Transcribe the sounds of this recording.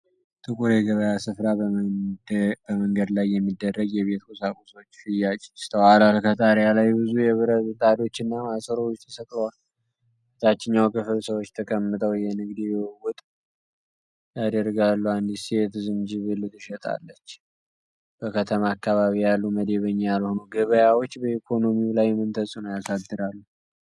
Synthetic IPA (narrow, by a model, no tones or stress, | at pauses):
t̪ʰʼɨkʼuɾjɛɡəβəjasɨfɾa | bəməŋɡəd̪lajːɛmːid̪ːərːəɡjɛβe̞t̪kʰusakʼuso̞t͡ʃːfɨjːat͡ʃʼst̪ʰəwalalkʰət̪ʼaɾjalajbɨzujɛβɨɾəɨt̪ʼad̪o̞t͡ʃːɨnːamasɨɾot͡ʃːt̪ʰə̥səkʼlwal | t̪at͡ʃːɪɲːawkʰʼɨfɨlsəwot͡ʃːt̪ʰəkʼəmːɨt̪ʼəwjɛnɨɡd̪ijɛwʊt̪ʼ | jad̪əɾɡalːuand̪isiet̪ɨzɨnd͡ʒɨβɨlːɨt̪ɨʃɛt̪ʼa̰lːət͡ʃː | b̥əkʰət̪ʰəmaːkːaβaβijalːuməd̪e̞βəɲːjalho̞noɡɨβəjawo̞t͡ʃːbəikʰo̞no̞miulajmɨnt̪ʰəsʼunəwjasad̪ːɨd̪alːu